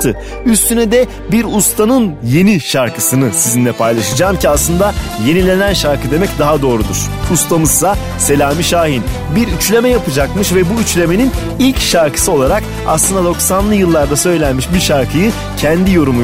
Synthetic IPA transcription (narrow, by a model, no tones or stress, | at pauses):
t̪ʰɯ | yst̪ʰynɛd̪ɛ | biɾust̪ʰanɯnje̞niʃaɾkʰɯsɯnɯsizinlʲɛpʰajlˠaʃɯd͡ʒaːmciaslˠɯnd̪aje̞nilʲe̞nænʃaɾkɯd̪e̞mɛcd̪aɦad̪o̞ːɾud̪uɾ̥ | ust̪ʰamɯzsa | se̞lʲaːmiʃaːɦin | biɾyt͡ʃlʲe̞mɛjapɯd͡ʒakmɯʃvɛbuyt͡ʃlʲe̞me̞nin | ilʲcʃaɾkɯ̥sɯo̞lˠaɾak | a̰slˠɯnd̪ad̪o̞ksanlˠɯjɯlˠːaɾd̪asø̞jlʲænmiʃbiɾʃaɾkʰɯjɯ | cʰɛnd̪ijo̞ɾumu